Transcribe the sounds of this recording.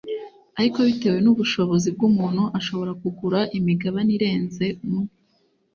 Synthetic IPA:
aɾiko̞βite̞ːwe̞nuβuʃo̞βo̞zib̚ɡumuːnhuʔaʃo̞βo̞ɾakuɡuɾaʔimiɡaβaniɾe̞ːnze̞mu

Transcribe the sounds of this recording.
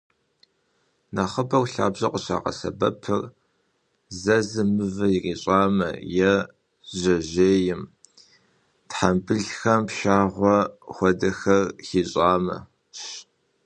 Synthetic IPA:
naχəbɐrʷɬa̰ːbʑɐqʷʼʊɕa̰ːqɐ̰sɐ̰bɐpʰɨr | zɐzɨmɨvɨjiriːɕʼaːmɐ̰jɛ | ʑɐʑeːjɪm | tħambɨɮxɐmpʃaːʁʷɔxʷɔdɐxɐrxiːɕʼaːmɐ̰ | ɕ

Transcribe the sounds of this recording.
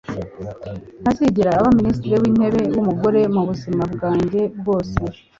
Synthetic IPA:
n̥asiɟiɾaːβaministiɾewiːne̞βe̞wumuɡo̞ɾe̞muβuzimabɡaːɲɟe̞b̚ɡo̞ːse̞

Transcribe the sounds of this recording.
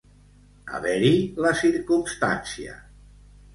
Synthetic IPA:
a̰βɛɾilasiɾkumst̪ansia̰

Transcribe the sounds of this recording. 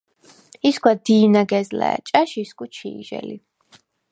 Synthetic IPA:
iskwad̪iːnaɡɛzlɛ̰a̰t͡ʃʼaʃiskʼut͡ʃʰiːʒɛ̰li

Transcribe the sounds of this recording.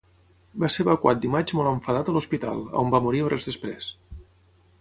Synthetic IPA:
baseəβəkwat̪̚d̪imad͡ʒmɔləɱfəðat̪əluspit̪a̰lˠə̰ombamuɾiorɛzðəspɾes

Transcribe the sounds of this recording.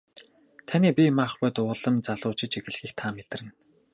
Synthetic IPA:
t̪ʰanʲiːpʲimaχpʊjt̪ʊːɮə̆mt͡saɮʊːt͡ɕɪ̆t͡ɕiɣɘ̆ɮxiːxt̪ʰaːmet̪̆rɘ̆n

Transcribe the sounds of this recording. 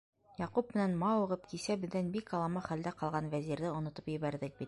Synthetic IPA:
jɑqupmɘ̆nænmɑuʁɤp̚kisæbɘ̆ðːænbikɑlˠɑmɑχæld̪æqɑlˠʁɑnvæzʲiɾðɘŏnŏt̪ɤpjɘ̆βæɾðɘk̚bit̪̚

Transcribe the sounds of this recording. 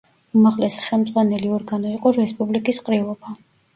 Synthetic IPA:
umaʁlɛsi̥χɛlˠmd̪zʼʁwanɛliɔɾɡanɔiqʼɔɾɛspʼublikʼisqʼɾilˠɔbʰa

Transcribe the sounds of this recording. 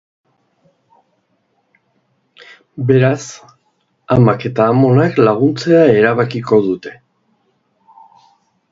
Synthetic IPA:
be̞ɾas | amake̞t̪aːmo̞naklaɣ̞unt͡se̞ae̞ɾaβakiko̞ðut̪e̞̥

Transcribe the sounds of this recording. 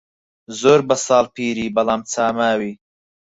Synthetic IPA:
zoːɾbɐsaːlpʰiːɾiːbɐlaːmt͡sʰaːmaːwi

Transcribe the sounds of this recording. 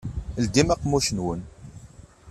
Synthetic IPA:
ld̪imæqːmuçənwən

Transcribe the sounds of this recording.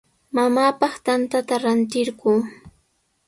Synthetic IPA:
mamaːpɑχt̪ant̪at̪aɾant̪ɪɾɢuː

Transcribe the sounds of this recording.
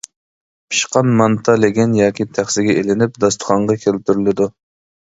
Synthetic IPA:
pʰi̥ʃqɑnmɑnt̪ʰɑleɡʲɛnjɑːkʲit̪ʰæχsɪɡʲɛʔelɪnɪp̚d̪ɑst̪ʰə̥χɑɴʁɑkʲʰelt̪yɾylɪd̪u

